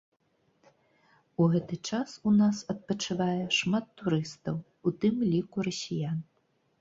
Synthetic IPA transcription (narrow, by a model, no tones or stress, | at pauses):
uɣɛt̪ɨt͡ʂasunasɐt̪̚pɐt͡ʂɨvajɛʂmat̪ːuɾɨst̪ɐw | ut̪ɨmlʲikuɾɐsʲijan